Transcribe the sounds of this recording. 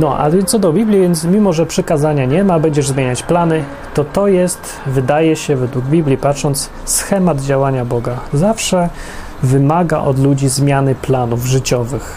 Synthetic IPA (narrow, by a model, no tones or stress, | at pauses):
nɔʔa̰vʲjɛnɔd̪ɔbʲiblʲivjɛnt̪mʲimɔʐɛpʂɘkazaɲaɲɛmabɛɲd͡ʑɛʐzmʲeɲat͡ɕplanɘ | t̪ɔt̪ɔjɛst̪ | vɘd̪ajɛɕɛvɛd̪wuɡbʲiblʲipatʂɔnt̪s | sxɛmad̪d͡ʑawaɲabɔɡazafʂɛ | vɘmaɡa̰ʔɔ̰d̪lud͡ʑizmʲjanɘplanuvʐɘt͡ɕɔvɘx